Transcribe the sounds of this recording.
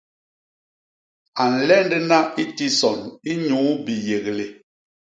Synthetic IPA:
a˨n̩˨lɛ˦ndɛ˦na˦i˦ti˦sɔ˨ni˦ɲuː˨˦bi˨je˨ɣle˨

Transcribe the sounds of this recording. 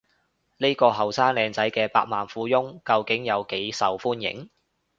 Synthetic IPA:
ne˥kɔː˧ɦɐ˨˩wsaː˥ŋlɛː˨˧ŋt͡sɐ˨˥jkɛː˧paː˧k̚maː˨nfuː˨˥jʊ˥ŋkɐ˧wkɪ˨˥ŋjɐ˨˧wke˨˥jsɐ˨wfuː˥njɪ̰˨˥ŋ

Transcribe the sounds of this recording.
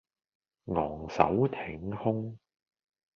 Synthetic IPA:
ŋɔː˨˩ŋsɐ̰˨˥wt̪ʰɪ˨˥ŋhʊ˥ŋ

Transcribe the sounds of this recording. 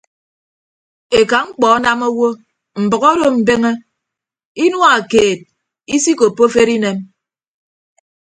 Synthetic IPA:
e˨ka˨ŋ͡m̩˦k͡pɔ˨˦na˦mo˦wo˦ | m̩˨bɨ˨ɣo˦ɾo˦m̩˨be˦ŋe˦ | i˦nwa˦a˨keː˨t̚ | i˦si˦ko˨po˦fe˦ɾi˦ne˦m

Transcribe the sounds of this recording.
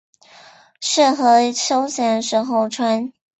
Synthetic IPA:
ʂɻ̩˥˩xɤ˧˥ɕo˥ʊɕjɛ˧˥nʂ̩˥˧xo˥˩ʊʈ͡ʂʰwa˥n

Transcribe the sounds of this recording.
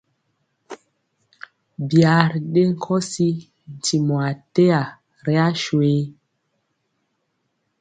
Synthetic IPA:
bja˨ɾɗe˦ŋ˦kʰɔ˦si˦ | n˨ti˨mɔ˨a˨te˦a˨ | ɾe˦a˦ʃwe˦

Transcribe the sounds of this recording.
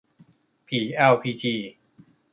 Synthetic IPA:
pʰiː˨˩ʔɛ˧wpʰiː˧˩t͡ɕʰiː˧˩

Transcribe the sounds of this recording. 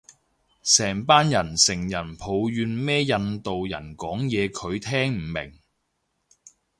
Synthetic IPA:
sɛː˨˩ŋpaː˥njɐ˨˩nsɪ˨˩ŋjɐ˨˩npʰo˨˧wɥyː˨˧nmɛː˥jɐ˧nt̪o˨wjɐ̰˨˩nkɔː˨˥ŋjɛː˨˧kʰɵ˨˧ɥt̪ʰɛː˥ŋm̩˨˩mɪ̰˨˩ŋ

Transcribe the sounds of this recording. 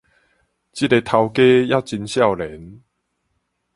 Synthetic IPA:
t͡ɕi˥˩te˧t̪ʰa˧wke˦ja˦˧˩t͡ɕi˧nɕja˥˨wlɛ˨˦n

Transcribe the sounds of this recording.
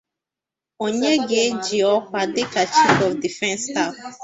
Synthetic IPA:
o˨ɲe˦ɡe˨˦d͡ʒi˨ɔ˦kʷa˨dɪ˦ka˨t͡ʃi˦pɔ˨fdi˨fɛ̃˦nsta˦˨f

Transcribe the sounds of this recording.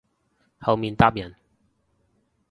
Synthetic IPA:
hɐ˨˧wmiː˨˧nt̪a˥p̚jɐ˨˩n

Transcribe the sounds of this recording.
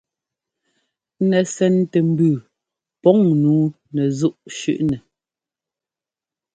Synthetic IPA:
nɛ˨sɛ˨ntɛ˨m̩˦bʉː˨ | pɔ˨˦ŋnuː˨˦ | nɛ˨zu˦ʔʃʉ̰˦ʔnɛ˨

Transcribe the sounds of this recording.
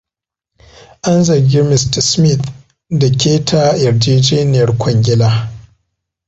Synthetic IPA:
ʔa˦nzɐ˨rɡʲɪ˦mɪ˨stɐ˨smɪ˦˨t̪ | da˨kʲeː˦tʰa˦jɐ˨ɾd͡ʒeː˦d͡ʒeː˦nɪ˨jɐ˨rkʷɔ˨ŋɡʲɪ˦laː˦

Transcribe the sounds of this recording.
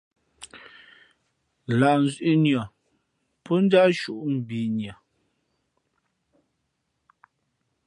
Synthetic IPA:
la˨ʔn̩˦˨zɥʔi˦njɔ˨ | pɔ˦n̩˦da˦ʃu˦ʔm̩˨bi˨nja˨

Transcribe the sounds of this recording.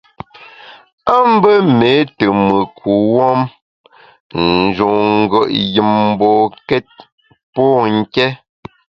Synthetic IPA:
a˦m̩˦bə˦me˨˦tə˨mə˨kʰu˨wɔ˦m | n̩˨d͡ʒo˨ŋ̩˦˨ɡə˨ʔji˨mm̩˦bɔ˨kɛ˦t̚ | pɔ˦˨ŋ̩˦kɛ˦

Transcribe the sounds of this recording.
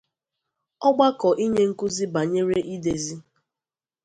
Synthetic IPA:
ɔ˦ɡ͡ba˦kɔ˨ʔi˦ɲe˦ŋ̩˦ku˦zi˦ba˨ɲe˦ɾe˦ʔi˦de˨zi˦

